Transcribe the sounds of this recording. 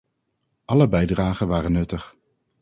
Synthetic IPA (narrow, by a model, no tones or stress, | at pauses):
ʔɑləbɛjdraːχənʋaːrənːɵtəχ